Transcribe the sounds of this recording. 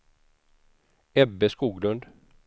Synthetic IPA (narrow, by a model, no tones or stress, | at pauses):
ɛbːɛskuːɡlɵnd̪